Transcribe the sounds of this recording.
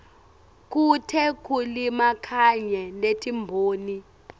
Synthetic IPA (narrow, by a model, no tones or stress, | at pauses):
k̬ʼutʰɛk̬ʼulimakʰaɲɛletʰʼimbʱoːni